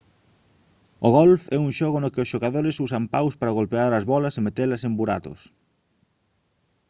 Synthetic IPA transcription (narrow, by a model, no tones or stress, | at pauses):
oɣɔlfɛuŋʃɔɣonokɪosʃoɣaðoɾɪsusampawspaɾaɣolpeaɾɐzβɔlɐsemet̪elɐsembuɾa̰t̪ʊ̰s